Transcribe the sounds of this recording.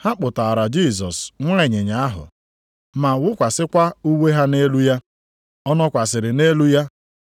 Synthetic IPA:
ha˦k͡pʊ˨ta˨ɾa˨d͡ʒi˦˨s̬ɔ˨sŋʷʊ˦e˨ɲe˨ɲa˨a˦ɦʊ̰˨ | ma˨wʊ˦kʷa˨sɪ˦kʷa˦u˦we˦ɦa˦ne˦lu˦ja˦ | ɔ˦nɔ˦kʷa˨s̬ɪ˨ɾɪ˨ne˦lu˦ja˦

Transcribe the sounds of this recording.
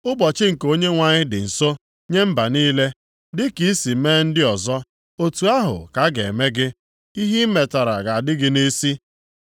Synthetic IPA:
ʊ˦bɔ˨t͡ʃɪ˦ŋ̩˨ko˦ɲe˦ŋʷa˨ɲɪ˦dɪ̰˨n̩˨so˦ | ɲe˦m̩˦ba˨niː˦le˦ | dɪ˦ki˦i˦si˨meː˦n̩˦dɪ˦ɔ˨zɔ˦ | o˨tu˨a˦ɦʊ̰˨ka˨ɡḛ˨e˨me˦ɡɪ˦ | i˦ɦi˦me˨ta˨ɾa̰˨ɡa˨a˨dɪ˦ɡɪ˦ne˦si˦

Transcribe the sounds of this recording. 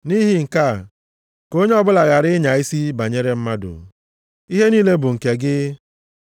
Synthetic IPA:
ni˦ɦɪ˦ŋ̩˨ka˦˨ | ko˦ɲe˦ɔ˦bʊ˦la˨ɣa˨ɾɪ˦ɲa˨i˦si˦ba˨ɲe˦ɾe˦m̩˦ma˦dʊ̰˨ | i˦ɦe˦niː˦le˦bʊ˨ŋ̩˨ke˨ɡɪ˦

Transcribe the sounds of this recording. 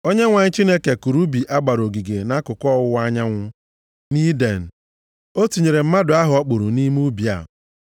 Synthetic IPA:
o˦ɲe˦ŋʷa˨ɲ̩˦t͡ʃi˦ne˦ke˨ku˨ɾu˦bi˨ʔa˦ɡ͡ba˨ɾo˨ɡi˨ɡe˨na˦kʊ˨kɔ˦˨ʊ˦wa˦ɲa˦ŋʷʊ˦ | ni˦de˨n̩˨ | o˦tu˨ɲe˨ɾe˨m̩˦ma˦dʊ˨˦a˦ɦʊ˨ɔ˦k͡pʊ˨ɾu˨ni˦m˦u˦bi˨a̰˨

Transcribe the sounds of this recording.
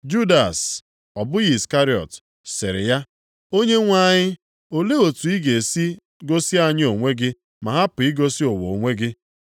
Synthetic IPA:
d͡ʒu˦da˨s | ɔ˨bʊ˦ɣi˦˨ska˦ɾi˦ɔ̰˨t | sɪ˨ɾɪ̰˨ja˦ | o˦ɲe˦ŋʷa˦˨ɲɪ˦ | o˨le˦o˨tu˨i˦ɡe˨si˦ | ɡo˦si˦a˨ɲɪ˦o˨ŋʷe˦ɡɪ˦ | ma˨ɦa˦pʊ˨i˦ɡo˦si˦o˨wo˨o˨ŋʷe˦ɡɪ˦

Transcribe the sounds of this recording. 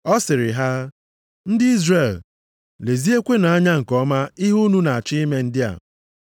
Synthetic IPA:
ɔ˦sɪ˨ɾɪ˨ɦa˦ | n̩˦dɪ˦i˦zre˨l | le˨zi˦e˦kʷe˦na˨a˦ɲa˦ŋ̩˨kɔ˦ma˦ɪ˦ɦu˦nu˦na˨a˨t͡ʃɪ˦i˦me˦n̩˦dɪ˦a̰˨

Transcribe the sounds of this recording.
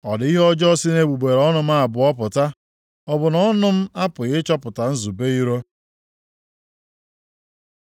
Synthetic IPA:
ɔ˨di˦ɦɔ˦d͡ʒɔ˦sɪ˦ne˦˨bu˨ɡ͡be˨ɾɔ˦nʊ˦m̩˦a˦˨bʊ˨ɔ˦pʊ˨ta˦ | ɔ˨bʊ˨nɔ˦nʊ˦m̩˦a˦pʊ˨ɣɪ˦t͡ʃɔ˦pʊ˨ta˨n̩˦zu˨be˦i˦ɾo˦

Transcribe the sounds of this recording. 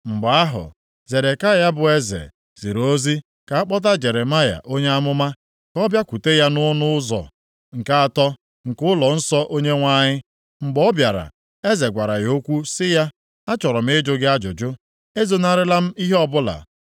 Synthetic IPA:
ŋ͡m̩˨ɡ͡ba˦ɦʊ̰˨ | ze˨ɾe˨ka˦˨ja˦bʊ˨e˦zḛ˨ | z̥i˨ɾo˦zi˦ | ka˨a˦k͡pɔ˦t̬a˦d͡ʒe˨ɾe˨ma˦ja̰˨ʔo˦ɲe˦a˦mʊ˦ma˦ | kɔ˦bja˦kʷu˨te˦ja˦nʊ˦nʊ˦zɔ̰˨ | ŋ̩˨ka˦a˨tɔ˦ | ŋ̩˨kʊ˦lɔ˨n̩˦sɔ˦ʔo˦ɲe˦ŋʷa˦˨ɲɪ˦ | ŋ͡m̩˨ɡ͡bɔ˦bja˨ɾa̰˨ | e˦ze˨ɡʷa˨ɾa˨jo˦kʷu˦sɪ˦ja˦ | a˦t͡ʃɔ˨ɾɔ˨m̩˦ɪ˦d͡ʒʊ˦ɡɪ˦a˦d͡ʒʊ˨d͡ʒʊ˦ | e˦zo˦na˦ɾɪ˦la˦m̩˦i˦ɦɔ˦bʊ˦la̰˨

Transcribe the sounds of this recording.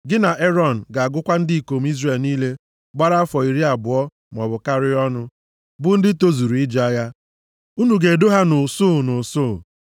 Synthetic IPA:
ɡɪ˦na˨ʔe˦ɾɔ˦n̩˨ɡa˨a˨ɡʊ˦kʷa˦n̩˦dɪ˦i˨ko˨m̩˦i˦zre˨lniː˦le˦ | ɡ͡ba˦ɾa˦fɔ˨i˨ɾi˦a˨bʊ˨ɔ˦ | m˨ɔ˨bʊ˨ka˦ɾɪ˦ɔ˦nʊ˦ | bʊ˦n̩˦dɪ˦to˦zu˨ɾu˨ɪ˦d͡ʒa˦ja˦ | u˦nu˨ɡe˨do˦ɦa˦nʊ˨sʊ˦˨nʊ˨sʊ˦˨

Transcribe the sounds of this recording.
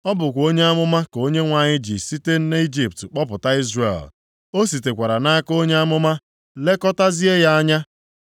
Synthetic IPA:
ɔ˦bʊ˨kʷo˦ɲe˦a˦mʊ˦ma˦ko˦ɲe˦ŋʷa˨ɲɪ˦d͡ʒi˨si˦te˦n̩˦ne˦i˦d͡ʒi˨p̚tk͡pɔ˦pʊ˨ta˦i˦zrḛ˨l | o˦si˨te˨kʷa˨ɾa˨na˦a˦ko˦ɲe˦a˦mʊ˦ma˦ | le˦kɔ˦ta˦zi˦e˦ja˦a˦ɲa˦

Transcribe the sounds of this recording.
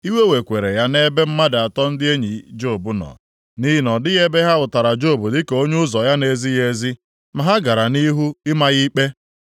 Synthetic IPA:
i˦we˦we˨kʷe˨ɾe˨ja˦ne˦be˦m̩˦ma˦da˨a˨tɔ˦n̩˦dɪ˦e˦ɲi˨d͡ʒo˦˨bʊ˨nɔ̰˨ | ni˦nɔ˨dɪ˦ɣe˦be˦ɦa˦ʊ˨ta˨ɾa˨d͡ʒo˦˨bu˨dɪ˦ke˨o˦ɲe˦ʊ˦zɔ˨ja˦ne˨zi˦je˦zi˦ | ma˨ɦa˦ɡa˨ɾa˨ni˦ɦu˦ɪ˦ma˦ɣi˦k͡pe˦

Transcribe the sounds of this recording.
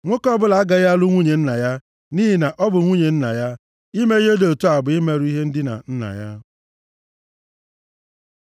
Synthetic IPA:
ŋʷo˦kɔ˦bʊ˦la˨a˦ɡa˨ja˦lu˦ŋʷu˦ɲe˨n̩˦na˨ja˦ | ni˦ɦi˨na˨ʔɔ˦bʊ˨ŋʷu˦ɲe˨n̩˦na̰˨ja˦ | i˦me˦e˦do˨o˨tu˦a˨bʊ˨ɪ˦me˨ɾu˦i˦ɦe˦n̩˦dɪ˦na̰˨n̩˦na̰˨ja˦

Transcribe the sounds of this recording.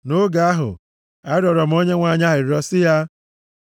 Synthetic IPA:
no˦ɡa˨a˦ɦʊ̰˨ | a˦ɾɔ˨ɾɔ˨m̩˦o˦ɲe˦ŋʷa˨ɲa˦ɦɪ˨ɾɔ˦sɪ˦ja˦

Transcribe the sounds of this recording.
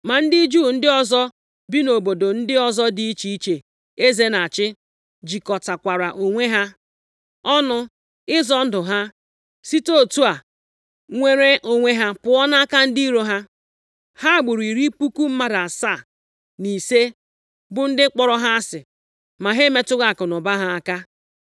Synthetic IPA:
ma˨n̩˦di˦d͡ʒuː˦˨n̩˦dɪ˦ɔ˦zɔ˦ | bi˦no˨bo˨do˨n̩˦dɪ˦ɔ˦˨zɔ˦dɪ˨i˦t͡ʃi˨i˦t͡ʃe˨ | e˦ze˦na˨t͡ʃɪ˦ | d͡ʒi˨kɔ˨ta˨kʷa˨ɾa˨ʔo˨ŋʷe˦ɦa˦ | ɔ˦nʊ˦ | ɪ˦zɔ˦n̩˦dʊ˨ɦa˦ | si˦to˦˨tu˦a˨ | ŋʷe˦ɾe˦ʔo˨ŋʷe˦ɦa˦pʊ˨ɔ˦na˦a˦ka˦n̩˦di˦i˦ɾo˦ɦa˦ | ha˦˨ɡ͡bʊ˨ɾi˨ɾi˦pu˦ku˦m̩˦ma˦da˨sa˦˨ | ni˨se˦ | bʊ˨n̩˦dɪ˦k͡pɔ˨ɾɔ˦ɦa˦a˦sɪ˨ | ma˨ɦe˦me˦tʊ˦ɣa˨kʊ˨nʊ˨ba˦ɦa˦a˨ka˦

